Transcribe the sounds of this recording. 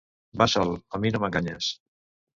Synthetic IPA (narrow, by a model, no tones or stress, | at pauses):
basɔlaminomə̃ŋɡaɲas